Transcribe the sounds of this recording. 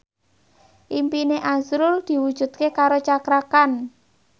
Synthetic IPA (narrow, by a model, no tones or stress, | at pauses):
ʔimpineʔazɾʊld̪̥i̤wud̥ʒ̥ṳt̪̚kekaɾot͡ʃakɾakan